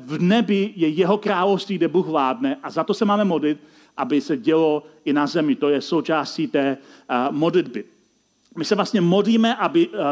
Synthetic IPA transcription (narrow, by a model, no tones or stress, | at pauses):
vnɛbɪjɛjɛɦo̞kɾaːlofst̪viːɡdɛbuːxvlaːdnɛʔazat̪o̞sɛmaːmɛmo̞dlɪt̪̚ | ʔabɪsɛɟɛloʔɪnazɛmɪt̪o̞jɛso̞wt͡ʃaːsciːt̪ɛːmodlɪd̪bɪ | mɪsɛvlast̪ɲɛmo̞dliːmɛʔabɪ